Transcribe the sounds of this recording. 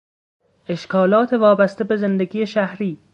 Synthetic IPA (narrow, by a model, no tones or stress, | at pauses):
e̞ʃkʰɒːlɒːt̪ʰevɒːbæst̪ebe̞zend̪eɡʲiːjeʃæhɾiː